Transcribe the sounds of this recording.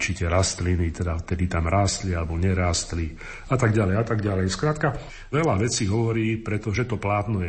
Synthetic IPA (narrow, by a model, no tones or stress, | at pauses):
t͡ʃicɛɾast̪linit̪ɛd̪aft̪ɛd̪it̪amɾaːst̪lialɛbɔɲɛɾaːst̪li | at̪aɡɟalɛjat̪aɡɟalɛjskɾaːt̪ka | ʋɛlaʋɛt͡siːɦɔʋɔɾiːpɾɛt̪ɔʒɛt̪ɔplaːt̪nɔjɛ